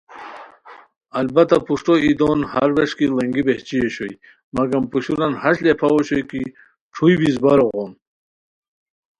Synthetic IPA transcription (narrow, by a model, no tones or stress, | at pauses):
ɐlbat̪apuʂʈoid̪onha̰ɾweʂkilɐŋɡibeht͡ɕijeɕoj | mɐɡampuɕuɾanhaɕlepʰawoɕojki | ʈ͡ʂʰujbizbaɾoɣoːn